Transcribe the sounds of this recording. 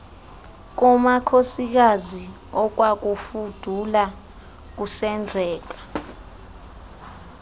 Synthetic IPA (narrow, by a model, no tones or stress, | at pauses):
k̬umakʰosik̬azi | ɔk̬wak̬ufud̥ʱula | k̬usɛnd͡zʱɛːk̬ḁ